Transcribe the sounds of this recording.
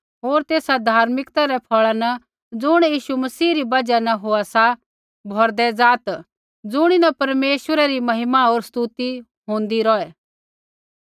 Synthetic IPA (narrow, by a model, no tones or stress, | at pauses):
ɦoːɾt̪eːsad̪ʱaːɾmɪkt̪aɾɛpʰɔɭanɐ | d͡zʊɽ̃jiːʃumɐsiːɾibɐd͡ʒanɐɦoasa | bʱɔɾd̪ɛd͡zaːt̪ | d͡zʊɽ̃inapɐɾmeːʃʋəɾɛɾimɐɦɪmaɦoːɾst̪ut̪i | ɦʊ̃ːnd̪iɾɔɛ